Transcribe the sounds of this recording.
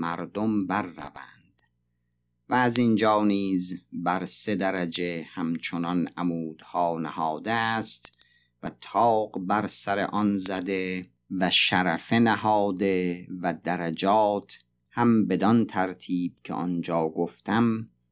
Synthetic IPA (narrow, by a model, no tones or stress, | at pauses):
mæɾd̪ombæɾːæ̰vænd̪̥ | væːzind͡ʒɒːniːzbæɾsed̪æɾæd͡ʒe̞hæmt͡ʃʰonɒnʔæmuːd̪̥hɒːnæhɒːd̪est̪ | væt̪ʰɒːɢbæɾsæɾe̞̰ʔɒnzæd̪e | væʃæɾæfenæhɒːd̪e̞væd̪æɾæd͡ʒɒːt̪ʰ | hæmbe̞d̪ɒnt̪ʰæɾt̪ʰiːb̥̚cʰḛʔɒnd͡ʒɒːɡoft̪æm